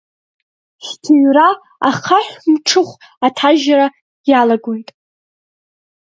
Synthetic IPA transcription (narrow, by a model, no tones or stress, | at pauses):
ʃtʰuɥra | a̰χʰaħʷᶣmʈ͡ʂʰɨχʷ | atʰaʒaɾa | jalaɡo̞jtʼ